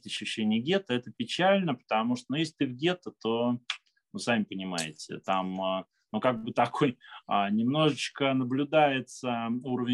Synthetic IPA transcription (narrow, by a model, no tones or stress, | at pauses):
t̪ɐɕːʉɕːenʲɪjəɡʲe̞t̪əɛt̪əpʲɪt͡ɕælʲnəpə̥t̪amuʂt̪onujes̬ʲlʲɪt̪ɨvɡʲe̞t̪ət̪o̞ | nusamʲɪpənʲɪma̰jɪ̰tʲɪ̰t̪am | nukaɡ̚bɨt̪ɐkʰojanʲɪmn̪o̞ʐɨt͡ɕkənəblʲʊd̪ajɪt̪səuɾəvʲɪ